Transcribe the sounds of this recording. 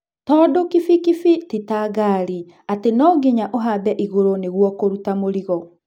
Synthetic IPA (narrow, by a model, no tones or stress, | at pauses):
tɔːdokifikifititaːɡaɾi | atenɔːɡiɲaʔoɦabɛʔiɣoɾoneɣwɔkoɾutamoɾiɣɔ